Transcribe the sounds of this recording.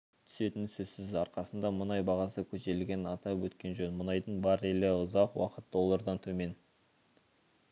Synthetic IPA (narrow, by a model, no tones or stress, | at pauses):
t̪ʰʏ̥se̞t̪ɪnsɵzsɪzɑɾqɑsənd̪ɑmʊnɑjbɑʁɑsəkʲʰɵʃe̞lɡʲe̞nɑt̪ɑpwɵt̪kʲe̞nʒɵnmʊnɑjd̪əɴbɑɾeleʊzɑqwɑ̰qət̪̚d̪o̞lˠːɑɾd̪ɑnt̪ʰɵme̞n